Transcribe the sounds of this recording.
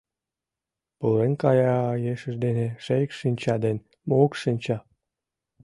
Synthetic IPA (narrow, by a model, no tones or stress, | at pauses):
pulenkɑjɑːjeʃə̆ʒd̪eneʃejəkʃinʲt͡ɕɑd̪en | mokʃinʲt͡ɕɑ